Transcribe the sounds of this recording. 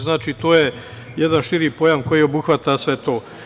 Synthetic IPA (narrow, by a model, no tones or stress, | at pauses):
znaːt͡ʃit̪oːje | jed̪anʃiɾipo̞jamko̞jiːo̞buxʋat̪asʋe̞t̪o̞ː